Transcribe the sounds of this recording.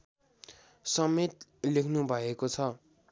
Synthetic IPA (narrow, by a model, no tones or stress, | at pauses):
sʌmet̪lekʰnubʱʌekot͡sʰʌ